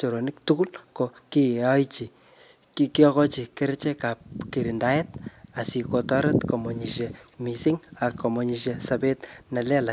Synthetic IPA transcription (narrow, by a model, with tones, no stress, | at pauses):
t͡ʃo˨ɾo˨niktuku˦lkoki˦ɔ˦jt͡ʃi˨ | kiki˦ɔ˦kɔ˦t͡ʃi˨ke˦ɾt͡ʃe˦kap̚kiɾinda˦jet̚a˨si˨kotɔ˦ɾetkomo˨ɲi˨ʃemisiŋa˨kːmoɲiʃesabetna˨lɛ˦la